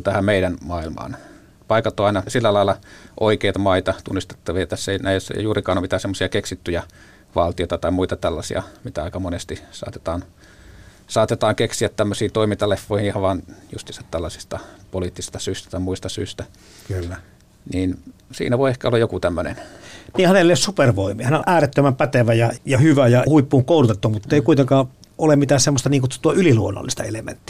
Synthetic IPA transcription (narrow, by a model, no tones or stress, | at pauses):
t̪æhæmmeiɾænmɑːilmɑ̰ːn | pɑikɑt̪ːoːɑinɑsilːælɑilːˑɑʔoikeit̪ɑmɑit̪ɑt̪unːist̪e̥t̪ːɑʋiɑjɑt̪æsːeinæisæ̰j̰juːrikɑːnomit̪æːsemːosiɑkeksit̪ːyjɑ | ʋɑlt̪ijoit̪ɑt̪ɑimuit̪ɑt̪ælːɑsḭɑ̰mit̪æɑikɑmonest̪isɑ̰ːt̪et̪ɑːn | sɑːt̪et̪ɑːŋkeksiæt̪t̪æmːøsiːt̪oimint̪ɑlefːoˑihihɑʋʋɑːnjust̪isɑt̪t̪ælːɑsi̥st̪ɑpoliːt̪ːisist̪ɑsyːst̪æ̥t̪ɑˑimuist̪ɑsy̰ːst̪æ | kylːæ | niːnsḭːnæʋoiehkæolːɑjokut̪æmːønḛnniːhænelossuperʋoimihæneoʔæːret̪ːømæmpæt̪eʋæjɑjɑhyʋæjɑhuipːuːŋkoˑulut̪et̪ːuɑmmut̪ːeikuit̪eŋkɑː | olemit̪æːssemːost̪ɑniːŋkut̪uoyliluonːɑ̰lːist̪ɑelemḛnt̪ːi̥